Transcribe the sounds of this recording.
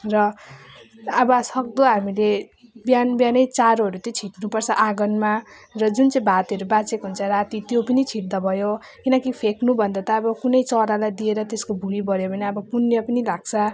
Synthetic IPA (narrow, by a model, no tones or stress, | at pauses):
rʌ | bʌsʌk̚d̪ʌɦamile | bjanbjanʌjt͡saɾoɦʌɾut̪jʌt͡sʰiʈnupʌrt͡sʰʌʔaɡʌnmarʌd͡zunt͡sʌj̃bʱat̪ɦʌɾubat͡sekɦunt͡sʰʌrat̪it̪jopʌnit͡sʰiʈd̪ʌbʱʌjo | kinʌkipʰeknubʱʌnd̪at̪ʌːbʌkunʌjt͡sʌɾalajd̪ieɾʌt̪eskobʱuibʌɾjobʱʌneʌbʌpunjʌpʌnilaɡ̚t͡sʰʌ